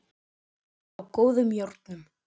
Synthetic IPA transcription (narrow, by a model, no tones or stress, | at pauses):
awkoːwðʏmjowɾt̪nʏm